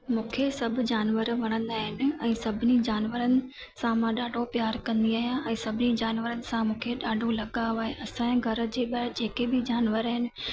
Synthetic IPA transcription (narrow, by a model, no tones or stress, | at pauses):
mũːkʰesɐbʱʊd͡ʑaːnʋəɾʋɐɽ̃ə̃nd̪aːɦɪnɪ̆ɛ̃ːsɐbʱɪnid͡ʑaːnʋəɾənɪ̆ | sãmãɗaːɖʱopjaːɾkɐ̃nd̪iaːɦijãʔɛ̃ːsɐbʱɪnid͡ʑaːnʋəɾənɪ̆sãmũːkʰeɗaːɖʱolɐɠaːʋaːɦeʔɐsãɡʱɐɾə̆d͡ʑeːɓad͡ʑeːkebɪd͡ʑaːnʋəɾaːɦɪnɪ̆